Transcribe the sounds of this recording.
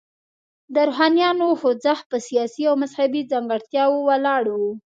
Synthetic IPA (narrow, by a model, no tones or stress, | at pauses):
d̪əɾoɦɑnijɑnohod͡zahpəsijɑsiawmazhabid͡zaŋɡaɽt̪jɑwowalɑɽwu